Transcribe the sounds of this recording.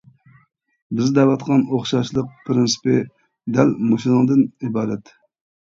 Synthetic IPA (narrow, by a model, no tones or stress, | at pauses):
bɪzd̪ɛvɑt̪qʰɑnoχʃɑʃlˠəq̚pʰɾɪnsɨ̥pɪ | d̪ælmoʃilɨŋd̪ɨnibɑːɾɛt̪